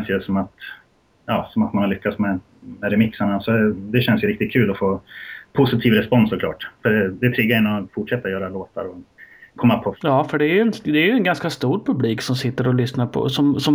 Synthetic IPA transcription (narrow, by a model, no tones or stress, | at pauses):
nsjəsɔmat̪ | jɑːsɔmat̪̚manhaɭʏkːat̪smɛ | mɛɾɛmɪksaɳasɔd̪ɛd̪ɛɕɛnsjɵɾɪk̚t̪ɪt̪̚kʰʉ̟ːlɔfoːpʰʊsɪt̪ʰiːvɾɛspɔnsːɔkʰlɑ̰ːʈfœɖɛd̪ɛt̪ʰɾɪːɡːaɛnɔfʊʈʂɛt̪ːaɔjœːɾaloːt̪a̰ɾɔkʰɔmːapʰɔjɑːfœɖɛːɾjɵɛnd̪ɛæɾjɵɛnɡanskast̪uːɾpʰɵbliːksɔmsɪt̪ːəɾɔlʏsnaɾpʰɔ̰sɔmsɔ